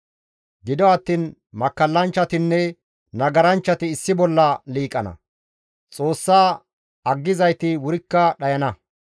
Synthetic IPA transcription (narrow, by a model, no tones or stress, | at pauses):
ɡɪd̪ɔɐt̪ːiːn | mɐkːɐlːɐnt͡ʃːɐt̪ɪnːɛ | nɐɡɐɾɐnt͡ʃːɐt̪ɪːsːɪbɔlːɐliːkʼːɐnɐ̰ | t͡sʼo̞ːsːaː | ɐɡːɪzɐjt̪ɪwʊɾɪkːɐɗɐjɐnɐ